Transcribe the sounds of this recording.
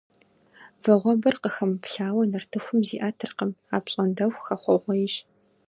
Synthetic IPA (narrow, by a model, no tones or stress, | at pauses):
vɐʁʷɔbɐrqəxɐmpɬaːwɐnɐrtʰɨxʷʊmziːʔaːtʰɨrqəmaːpɕʼɐndɐwʷxɐχʷɔʁʷɔjɪʃ